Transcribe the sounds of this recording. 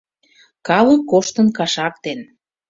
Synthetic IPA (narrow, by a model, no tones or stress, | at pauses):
kɑlə̆kːoʃt̪ənkɑʃɑkt̪en